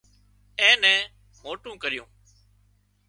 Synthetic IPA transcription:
ɛ̃ːnɛ̃ː | moːʈũːkəɾɪjṵ̃ː

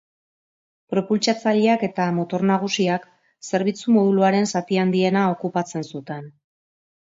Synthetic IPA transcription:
pɾo̞pult͡ʃat͡saʎeake̞t̪amo̞t̪o̞ɾnaɣ̞usiak | se̞ɾβ̞it͡sumo̞ðuluaɾe̞nsat̪iand̪ie̞nao̞kupat͡se̞nsut̪e̞n

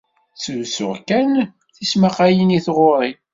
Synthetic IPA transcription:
t͡sːəsʊ̰ʁkæn | θismaqæjəniθʁoɾˤi

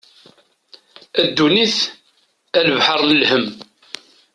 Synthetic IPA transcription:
æd̪ːuniθ | æləvħəɾˤnəlhəm

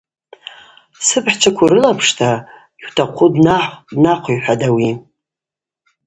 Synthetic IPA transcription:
sɨpʰħt͡ʃʰakʷʰuɾɨlapʰʂtʰa | iwtʰaqʷʰudnaħdnaqʷʰuħʷᶣadawi

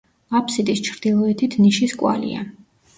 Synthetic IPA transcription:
apʰsid̪ist͡ʃʰɾd̪ilˠɔɛt̪ʰit̪ʰniʃiskʼwa̰lḭa̰

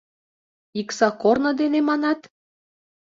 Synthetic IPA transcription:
iksɑkornɤ̆d̪enemɑnɑt̪

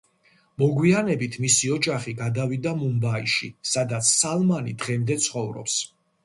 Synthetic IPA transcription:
mɔɡwianɛbit̪ʰmisiɔd͡ʒaχiɡad̪avid̪amumbaiʃḭsad̪at̪sʰsalˠmanid̪ʁɛmd̪ɛt̪sʰχɔvɾɔ̰ps

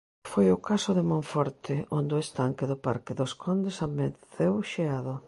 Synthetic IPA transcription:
fojʊkasʊðemõɱfɔɾt̪ɪond̪ʊest̪aŋkɪðʊpaɾkɪðoskʰond̪esameθewʃeaðʊ

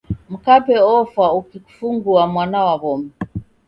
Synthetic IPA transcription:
m̩kapɛɔfaukiku̥fuŋɡuamwanawaβɔmɛ

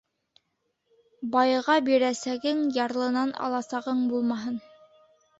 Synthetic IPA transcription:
bɑjʁɑbiɾæsæɡɘŋjɑɾlˠɤ̆nɑnɑ̰lˠɑsɑʁɤɴbulˠmɑɦɤn

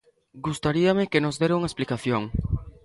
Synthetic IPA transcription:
ɡust̪aɾiamekenozd̪eɾawŋaesplikaθjoŋ

